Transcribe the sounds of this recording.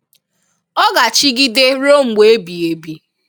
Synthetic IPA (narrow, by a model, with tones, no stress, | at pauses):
ɔ˦ɡa˨t͡ʃi˦ɡi˦de˦ɾo˦ŋ͡m̩˨ɡ͡be˨˦bi˨e˨bi˨